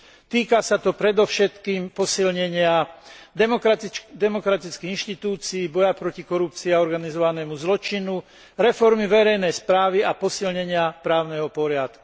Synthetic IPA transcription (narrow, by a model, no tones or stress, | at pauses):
t̪iːkasat̪ɔpɾɛd̪ɔʊʃɛt̪kiːmpɔsilɲɛɲɪa | d̪ɛmɔkɾat̪it͡skiɣinʃt̪it̪uːt͡siːbɔjapɾɔcikɔɾup̚t͡siiaɔɾɡanizɔʋanɛːmuzlɔt͡ʃinu | ɾɛfɔɾmiʋɛɾɛjnɛjspɾaːʋiapɔsilɲɛɲɪapɾaːʊnɛɦɔpɔɾɪat̪ku